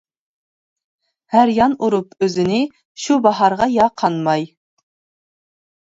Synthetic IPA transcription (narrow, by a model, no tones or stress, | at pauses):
hæɾjɑnuɾupʰøzɪnɪ | ʃubɑɦɑɾʁɑjɑqʰɑnmɑj